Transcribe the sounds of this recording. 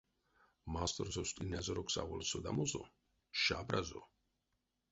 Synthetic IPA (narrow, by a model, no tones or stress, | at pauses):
mast̪ʰʼɔɾzɔst̪ʼinazɔɾɔksa̰vɔlsɔd̪a̰mɔzɔ̰ | ʃabɾazɔ